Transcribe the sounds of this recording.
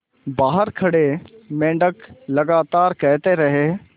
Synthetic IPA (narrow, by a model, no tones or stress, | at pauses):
baːɦəɾkʰɐɽemẽːɳɖəklɐɡaːt̪aːɾkɛɦt̪eɾɐɦeː